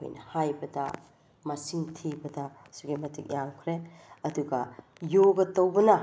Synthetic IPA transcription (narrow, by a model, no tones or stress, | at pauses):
o̰jnɐhajbɐdɐ̰ | mɐsiŋtʰibɐdɐ | suɡimɐtik̚jaŋkʰɾe | ɐduɡɐ | joɡɐtːɐwbɐnɐ